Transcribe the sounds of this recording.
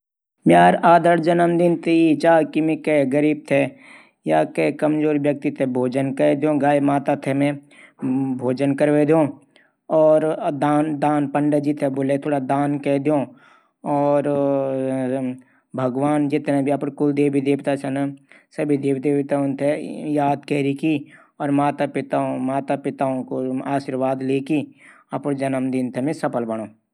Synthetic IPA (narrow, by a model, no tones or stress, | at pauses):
mjaːɾaːd̪əɾd͡ʒɐnəmd̪ɪnt̪iit͡ʃaːkimikɛɡəɾiːb̚t̪ʰe | jaːkekɐmd͡ʒoːɾʋjək̚t̪it̪ʰebʱoːd͡ʒənkəd̪eõɡaːjmaːt̪at̪ʰemẽ | bʱoːd͡ʒənkəɾʋed̪õ | ɔːɾd̪aːnd̪aːnpəɳɖəd͡ʒit̪ʰeboːlet̪ʰoːɽad̪aːnkɛːd̪ejõ | ɔːɾ | bʱəɡʋaːnd͡ʒɪt̪nebʱiɐpɽkʊld̪eːbʱid̪eːʋt̪at͡ʃənə | səbʱid̪eːʋd̪eːʋt̪aʊnt̪ʰejaːd̪kɛɾiki | ɔːɾmaːt̪apɪt̪ãmaːt̪apɪt̪aːõkoaːʃiːɾʋaːd̪leːki | ɐpɽd͡ʒənəmd̪ɪnt̪ʰemẽsəpəlbəɽ̃oː